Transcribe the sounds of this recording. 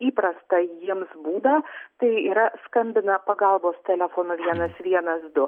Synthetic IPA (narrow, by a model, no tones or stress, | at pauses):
iːpɾɐst̪ɐjiɛmsbuːd̪ɐt̪ɐɪiːɾɐskɐmʲbʲɪnɐpɐɡɐlˠboːst̪ʲɛlʲɛfoːnʊʋʲiɛnɐsʋʲiɛnɐsd̪ʊ